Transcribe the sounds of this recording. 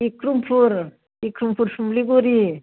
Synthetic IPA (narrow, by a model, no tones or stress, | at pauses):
ikɾumpʰuɾ | ikɾumpʰuɾsumbliɡoɾi